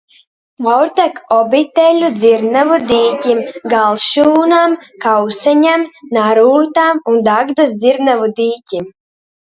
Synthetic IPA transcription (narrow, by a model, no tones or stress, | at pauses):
mɔwɾt̪ɛkɔbit̪ɛlʲud̪zʲiɾnavud̪iːcʲimɡalˠʃuːnamkawsaɲamnaɾuːt̪amund̪aɡd̪asd̪zʲiɾnavud̪iːcʲim